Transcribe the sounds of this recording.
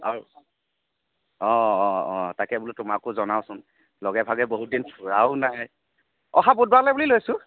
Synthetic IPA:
a̰ɹu | ɔɔɔtakɛbʊlutʊmakʊzɔnaʊsʊn | lɔɡɛbʱaɡɛboɦut̚dinpʰuɹaʊnaj | ɔxabud̚balajbulilojsʊ̃

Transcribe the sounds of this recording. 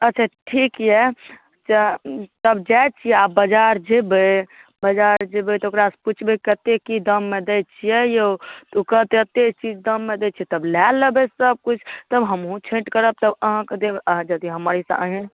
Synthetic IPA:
ətːt͡ʃʰaʈʰikjɛ | t͡ʃat̪əbd͡ʒajt͡ʃʰijɛabəd͡ʒaɾd͡ʒebəbəd͡ʒaɾd͡ʒebet̪okɾasput͡ʃʰbekət̪ekid̪əmːed̪et͡ʃʰijɛjot̪okət̪eət̪et͡ʃid͡ʒd̪əmːed̪et͡ʃʰiɛt̪əblɛləbesəb̚kut͡ʃʰt̪əbɦəmɦũt͡ʃʰẽʈkəɾəb̚t̪əbəɦãked̪ebəɦd͡ʒəd̪iɦəməɾisə̰̃əɦẽ

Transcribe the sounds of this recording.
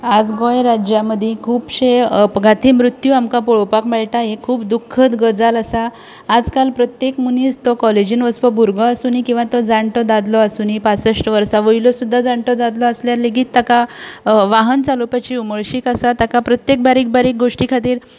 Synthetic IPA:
ad͡zɡɔjɾad͡ʑjaməd̪ʱikʰuːpɕeɡat̪ʰiːmɾut̪juamkapɔɭopakmɛɭʈaɦekʰuːpd̪ukʰːət̪ɡəd͡zaləsaː | d͡zkalpɾət̪jekmuniːd͡zt̪ɔkɔled͡ʑinʋəspɔbʱuɾɡɔasuːnikĩw̃ʋat̪ɔd͡zaɳʈɔd̪ad̪lɔasuːnipasəʂʈʋəɾsaʋəjlɔsud̪ʱːad͡zaɳʈɔd̪ad̪lɔasljaɾleɡiːt̪ːakaʋaɦənt͡salupat͡ɕiuməɭɕiːkasat̪akapɾət̪jek̚baɾiːk̚baɾiːk̚ɡoʂʈikʰat̪iːɾ

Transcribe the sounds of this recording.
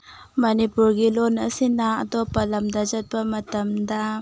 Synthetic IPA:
mɐnipuɾɡilonɐsinaɐdɔpːɐlɐmdɐzɐt̚bɐmɐtɐmdɐ

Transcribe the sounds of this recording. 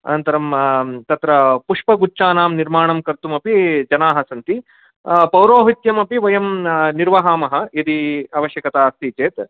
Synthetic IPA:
ɐ̰nɐnt̪ɐɾɐmt̪ɐt̪ɾɐpuʂpɐɡut͡ʃːt͡ʃaːnaːmniɾmaːɳɐmkɐɾt̪umɐpid͡ʒɐnaːɦɐsɐnt̪i | pɐwɾoːɦit̪jɐmɐpiʋɐjɐmniɾʋɐɦaːmɐɦɐ̆ɐd̪iɐʋɐʃjɐkɐt̪aːst̪iːt͡ʃeːt̪

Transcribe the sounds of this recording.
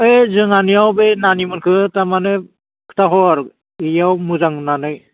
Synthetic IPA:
ezɯŋanijawbenanimɯnkʰɯtamane | kʰɯ̥tʰaɦɔaɾ | ijawmɯzaŋnanɯj

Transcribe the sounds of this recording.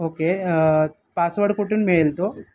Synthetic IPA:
oːke | pasʋəɽkuʈunmeːlt̪o

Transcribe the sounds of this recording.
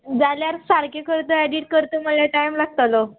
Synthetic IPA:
d͡zaljaɾsaɾkekəɾt̪əɛɖiʈ̚kəɾt̪əməleʈajmlaɡ̚t̪alo

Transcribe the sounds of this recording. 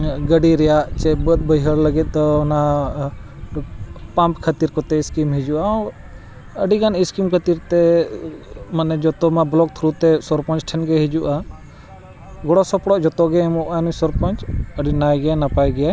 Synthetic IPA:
ɡəɖiɾɛjaʔt͡ʃɛbət̪̚bəjɦəɽləɡɛt̪̚ˀd̪ɔɔna | pãmpkʰət̪iɾkɔt̪ɛiskimɦid͡ʒuʔa | əɖiɡaniskimkʰət̪iɾt̪ɛ | manɛd͡ʒɔt̪ɔmablɔk̚t̪ʰɾut̪ɛsɔɾpɔnt͡ʃʈʰɛnɡɛɦid͡ʒuʔa | ɡɔɽɔsɔpɽɔʔd͡ʒɔt̪ɔɡɛɛmɔʔanusɔɾpɔnt͡ʃəɖinajɡɛjanapajɡɛjaj

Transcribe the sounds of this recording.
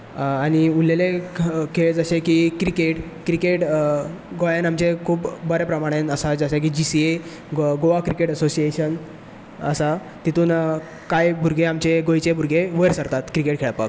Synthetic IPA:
aɽ̃iullelekeɭed͡zəɕekikɾikeʈkɾikeʈ | ɡojãnamt͡ɕekʰuːpbəɾepɾəmaɽ̃enəsad͡zəɕak̬iːd͡ʑisie | ɡoʋakɾikeʈəsosieɕən | əsa | t̪it̪uːn | kajbʱuɾɡʱeamt͡ɕeɡojt͡ɕebʱuɾɡeʋəɾsəɾt̪at̪kɾikeʈ̚kʰeɭpa̰k

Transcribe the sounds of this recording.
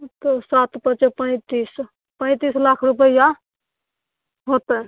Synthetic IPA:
t̪ɔsat̪pət͡ʃepəɪ̃t̪is | pə̃ɪ̃t̪islakʰɾupəja | ɦot̪ə

